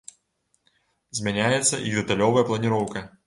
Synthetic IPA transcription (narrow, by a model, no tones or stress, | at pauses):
zʲmʲanʲajɛt̪sːɐʔid̪ɛt̪alʲɔvɐjɛɐplˠɐnʲiɾɔwkɐ